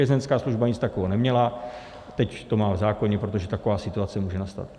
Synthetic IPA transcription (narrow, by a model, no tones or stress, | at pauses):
ɛzɛnskaːsluʒbaɲɪt͡st̪akoɦonɛmɲɛla | t̪ɛct̪o̞maːvzaːko̞ɲɛpɾo̞t̪o̞ʒɛt̪ako̞vaːsɪt̪uat͡sɛmuːʒɛnast̪a̰t̪